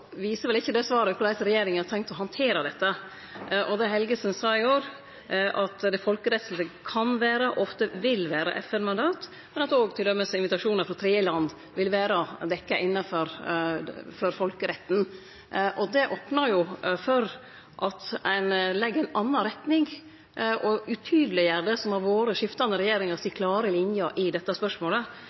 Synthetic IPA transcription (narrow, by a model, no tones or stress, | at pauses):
ʋiːsəɾʋɛlɪçːəd̪ɛsʋɑːɾəkʰʊlæɪsɾɛjeːɾɪŋəɑɾt̪ʰɛŋkt̪ɔɦɑnt̪ʰeːɾəd̪ɛt̪ːə | ʔɔd̪ɛɦɛlɡəsənsɑːɪoːɾ | ʔɑt̪d̪ɛfɔlkəɾɛt̪sl̩səkʰɑnʋæːɾəʔɔft̪əʋɪlʋæːɾə̰ʔɛfɛnmɑnd̪ɑːt̪ | mɛnɑt̪oːɡt̪ʰɪld̪œmːəsɪnʋɪt̪ɑʂuːnəɾfɾɑt̪ʰɾeːəlɑnd̪ | ʋɪlʋæːɾəd̪ɛkːɑʔɪnːɑfɔɾ | fɔɾfɔlkəɾɛt̪ːn̩ | ʔɔd̪ɛʔɔːpnɑɾjʊfɔɾ | ʔɑt̪æɪnlɛɡːəɾæɪnɑnːɑnɾɛt̪nɪŋ | ʔɔʉt̪ʰyːd̪lɪjæɖ̪əsɔmhɑɾʋoːɾəʂɪft̪ɑnd̪əɾɛjeːɾɪŋɑɾsɪkʰlɑːɾəlɪnjəɾʔɪd̪ɛt̪ːɑspœʂmoːlə